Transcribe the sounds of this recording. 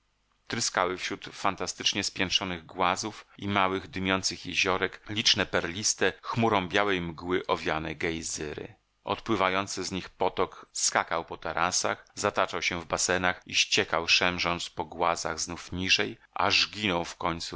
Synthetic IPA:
t̪ɾɘskawɘfɕɾut̪fant̪ast̪ɘt͡ʂɲɛspʲjɛnʂɔnɘɣɡwazufimawɘɣd̪ɘmʲjɔnt̪sɘxjɛʑɔɾɛklʲit͡ʂnɛpɛɾlʲist̪ɛxmuɾɔ̃w̃bʲjawɛjmɡwɘʔɔvʲjanɛɡɛjzɘɾɘ̰ | ɔ̰t̪pwɘvajɔnt̪sɛzɲixpɔt̪ɔkskakawpɔt̪ɛɾʔasa̰xzat̪at͡ʂawɕɛvbasɛnaxiɕt͡ɕɛkawʂɛmʐɔnt̪spɔɡwaza̰ɣznufɲiʐɛjʔa̰ʐɡʲinɔ̃w̃fkɔɲʲt̪su

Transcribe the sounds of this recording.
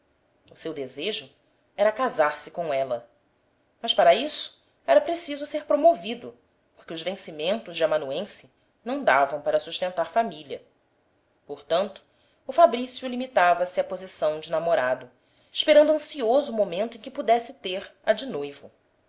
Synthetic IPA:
ʊsewd̪ezeʒʊ | ɛɾɐkazaɾsɪkõɛlɐ | mɐʃpaɾɐisʊ̥ | ɛɾɐpɾesizʊseɾpɾomovid̪ʊ | poɾkɪʊzvẽsimẽnt̪ʊzd͡ʒɪamɐ̃nuẽsɪ | nɐ̃w̃d̪avɐ̃w̃paɾɐsuʃt̪ẽnt̪aɾfamiliɐ | poɾt̪ɐ̃nt̪ʊ̥ː | fabɾisjʊlimit̪avɐsɪɐpozisɐ̃w̃d͡ʒɪnamoɾad̪ʊ | iʃpeɾɐ̃nd̪uɐ̃siozʊːmomẽnt̪ʊẽkɪpud̪ɛsɪt̪eɾɐd͡ʒɪnojvʊ

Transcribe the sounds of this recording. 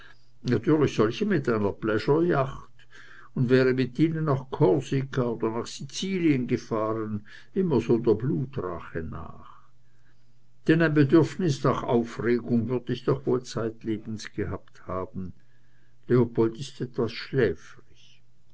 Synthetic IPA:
natʰyːɐlɪçsɔlçəmɪtaɪnɐb̥lɛʃɐjaχt | ʊndvɛːʁəmɪtiːnənːaχkʰɔlsikʰaoːd̥ɐnaːχsit͡siːliənɡəfaːʁən | ʔɪmɐzoːdeːɐbluːtʁa̰χəna̰ːχ | d̥ɛnaɪ̃nbedʏʁfnɪsnaχa̰ʊfʁeːɡʊŋvʏɐd̥ɪçd̥ɔχvoːlt͡saɪtleːb̥n̩sɡ̥əhapthaːb̥n̩ | leopʰɔltɪstɛtv̥asʃlɛːfʁɪç

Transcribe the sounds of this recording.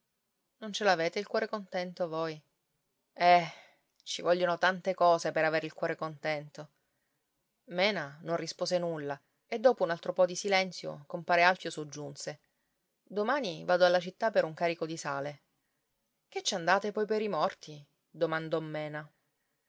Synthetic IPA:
nont͡ʃelaveːt̪eilkwɔːɾekont̪ɛnt̪ovoj | ɛ | t͡ʃivɔʎːonot̪ant̪ekɔːsepeɾaveːɾilkwɔːɾekont̪ɛnt̪o | mɛːnanõnrispoːzenulːa | ed̪ːoːpounalt̪ɾopɔd̪isilɛnt̪sjo̰kompaːɾealfjosod͡ʒːunse | d̪omaːnivaːd̪oalːat͡ʃit̪ːapːeɾuŋkaːɾikod̪isaːle | ket͡ʃːand̪aːt̪epɔjpeɾimɔrt̪i | d̪omand̪ɔmːɛːna

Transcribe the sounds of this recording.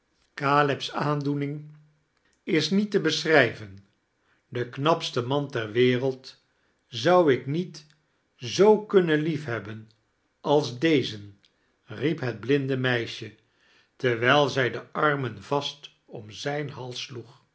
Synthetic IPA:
kaːlɪpsaːndunɪŋ | ɪsnitəbəsrɛjvən | dəknɑpstəmɑntɛrʋɪːrəlˠt | zɑwɪknit | zowkɵnənlifɦɛbən | ɑlˠzdejzən | ripɦəd̚blɪndəmɛjʃə | tɛɹʋɛjlˠzɛjdəʔɑɹmənvɑst | ɔmzɛjnɦɑlˠsːluχ

